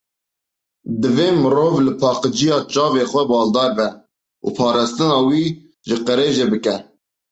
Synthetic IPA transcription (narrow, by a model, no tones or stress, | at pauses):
d̪ɨveːmɨɾoːvlɨpʰɑːqəd͡ʒijɑːt͡ʃɑːveːxʷɛbɑːld̪ɑːɾbɛ | ʔṵpʰɑːɾɑːst̪ɨnɑːwiː | ʒɨqəɾeːʒebɨkɛ